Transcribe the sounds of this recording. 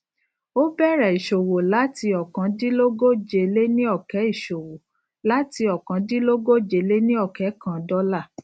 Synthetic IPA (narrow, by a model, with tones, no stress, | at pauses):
o˦bɛ˦˨ɾɛ˨i˨ʃo˨wo˨la˨˦ti˧ɔ˨kã˨˦di˦lo˦ɡo˦d͡ʒe˧le˦nĩ˦ɔ˦˨kɛ˨˦i˦˨ʃo˨wo˨ | la˦ti˧ɔ˨kã˨˦di˦lo˦ɡo˦d͡ʒe˧˨le˦nĩ˦ɔ˦˨kɛ˨˦kã˦˨dɔ˦la˦˨